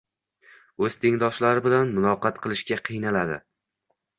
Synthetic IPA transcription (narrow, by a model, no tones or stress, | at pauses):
ɵz̥t̪ʰeŋd̪ɒʃlaɾɪbɪlanmʊlˠɒqɑt̪̚qʰɨlˠɪʃkʲaqʰɨjnalad̪ɪ̰